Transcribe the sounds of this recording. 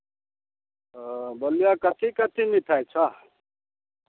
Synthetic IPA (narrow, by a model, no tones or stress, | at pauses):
bʌlijakʌt̪ʰikʌt̪ʰinit̪ʰajt͡sʰʌ